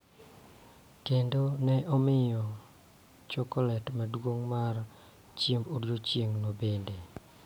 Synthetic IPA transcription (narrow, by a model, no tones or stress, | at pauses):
kendonɛʔɔmɪjɔ | t͡ʃɔkɔlɛtmadwoŋmar | t͡ʃjembodjot͡ʃjeŋnobende